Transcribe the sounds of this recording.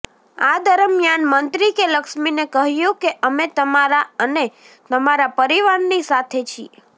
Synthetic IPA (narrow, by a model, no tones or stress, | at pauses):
ad̪əɾəmjanmənt̪ɾikeləkʃminekəɦjũkeʔəmet̪əmaɾaəne | t̪əmaɾapəɾiʋaɾnisat̪ʰet͡ʃʰḭe